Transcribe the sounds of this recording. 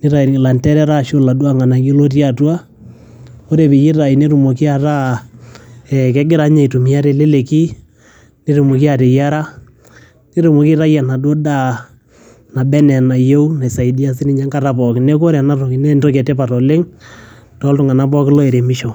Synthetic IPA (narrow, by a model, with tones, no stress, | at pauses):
nɪ˦ɾa˨la˨ntɛ˦ɾɛ˦ɾa˦˨ʃo˦la˨du˦a˦ŋa˨na˨ɡi˦lo˦t̬i˦a˨twa˦ | o˦ɾe˨pɪ˨ji˦ɾa˨i˨ne˦ɾu˨mo˨ki˦a˨ɾa˦ | ɛ˨kɛ˦ɡɪ˦ɾa˦ɲa˨i˨tu˨mi˨a˦ɾɛ˦˨le˦le˨ki˦ | ne˦ɾu˨mo˨ki˦a˨ɾe˨ja˦ɾa˦ | ne˦ɾu˨mo˨ki˦ɾa˦ja˨na˨do˦da˦ | na˨bɛ˦nɛ˨na˨jo˦u˦na˨sa˨i˨di˦a˦s̬ɪ˦ni˦ɲa˦ŋɡa˨ɾa˦pɔ˨kne˦ko˦ɾɛ˨na˦ɾo˨ki˨nɛ˦ntɔ˦kɛ˨tɛ˦pa˨tɔ˨le˦ŋ | tɔ˦ltʊ˨ŋa˨na˦pɔ˦kɪ˦lɔ˦e˨ɾe˨mɪ˦ʃɔ˨